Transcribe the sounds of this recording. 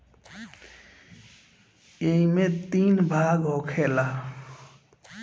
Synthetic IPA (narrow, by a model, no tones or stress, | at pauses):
eimet̪inbʱaɡɦokʰela